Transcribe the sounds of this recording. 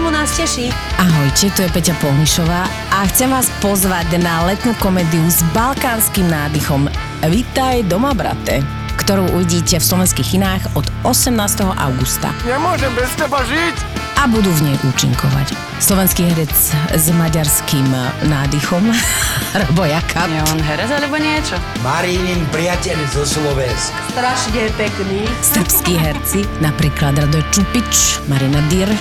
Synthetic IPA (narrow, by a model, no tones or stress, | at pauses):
munascɛʃiaɦɔjcɛt̪ɔjɛpɛcapɔɦniʃɔʋaː | ʔaxt͡sɛmʋaːspɔzʋaɟnalɛt̪nuːkɔmɛːd̪iuzbalkaːnskimnaːd̪ixɔm | ʋit̪ajd̪ɔmabɾa̰t̪ɛ̰ | kt̪ɔɾuːʔuʋiɟiːcɛfslɔʋɛnskiːɣinaːɣɔd̪ɔsɛmnaːst̪ɛɦɔʔa̰ʊɡust̪a̰ɲɛmʊɔʒɛmbɛst̪ɛbaʒic | abud̪uːvɲɛjʔuːt͡ʃḭŋkɔʋa̰c | slɔʋɛnskiːɦɛɾɛt͡szmaɟaɾskiːmnaːd̪ixɔmɾɛbɔjakʰaɛanɦɛɾɛzalɛbɔɲɪɛt͡ʃɔ | maɾinimpɾɪacɛʎzɔslɔʋɛnskt̪ɾaʃɲɛpɛkniːsər̩pskiːɦɛɾt͡sinapɾiːklad̪ɾad̪ɔjt͡ʃupit͡ʃmaɾinad̪iɾ